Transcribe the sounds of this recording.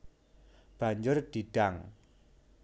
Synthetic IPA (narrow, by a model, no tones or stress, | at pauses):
b̥a̤ɲd͡ʒʊrd̪̥iɖ̥aŋ